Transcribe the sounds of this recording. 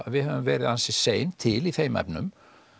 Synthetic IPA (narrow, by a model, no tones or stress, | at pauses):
vɪðhœvʏmvɛːɾɪðansɪseːjnt̪ʰɪliθejmɛ̰pnʏ̰m